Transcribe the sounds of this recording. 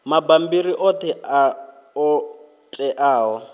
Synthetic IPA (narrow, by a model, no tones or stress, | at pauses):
mabambiɾiʔotʰɛʔa | ɔ | t͡ɬʼɛʔaːɦɔ